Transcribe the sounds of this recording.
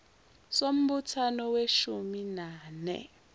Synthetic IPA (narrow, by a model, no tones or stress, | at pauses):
som̩ɓutʰanɔweʃuminaːnɛ̰